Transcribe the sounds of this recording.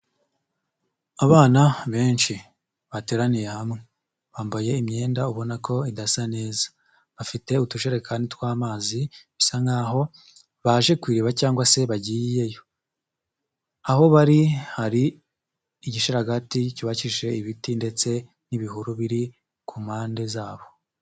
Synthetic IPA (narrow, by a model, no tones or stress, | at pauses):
aβaːnaβe̞ːnʃi | βate̞ːɾanije̞hamŋe | βaːmbaje̞imɲe̞ːndauβo̞nako̞idasane̞ːzḁ | βafite̞utuʒe̞ɾe̞kʰanditkwaːmaːziβisaŋɡaːɦo̞ | βaʒe̞kwiːɾiβacaːŋɡwase̞βaɟiːje̞jo̞ | aho̞βaɾihaɾiː | ɟiʃiɾaɡaticiβaciʒe̞iβitinde̞t͡se̞ | niβiɦuɾuβiɾi | kʰuːmhaːnde̞zaːβo̞